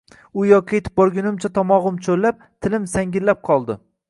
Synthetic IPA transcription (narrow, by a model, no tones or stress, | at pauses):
ʊjɒkʲʰet̪ʰɪ̥p̚bɒɾɡʲʊnɪmt͡ʃʰat̪ʰɒmɒʁʊmt͡ʃʰolːap̚t̪ʰɪlɪmsaŋɡʲɪlːap̚qʰɒlˠd̪ɪ